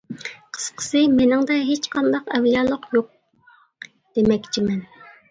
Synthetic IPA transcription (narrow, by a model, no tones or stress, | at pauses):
qʰə̥sqʰə̥sɨmenɪŋd̪ɛɦet͡ʃqʰɑnd̪ɑqɛwjɑːlˠəqjoq̚ | d̪̥emɛkʲt͡ʃʰimɛn